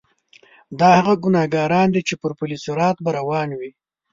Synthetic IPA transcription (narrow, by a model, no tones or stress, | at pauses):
d̪ɑhaɣaɡʊnɑɡɑːɾɑnd̪it͡ʃepəɾpʊlisʊɾɑt̪baɾawɑnwi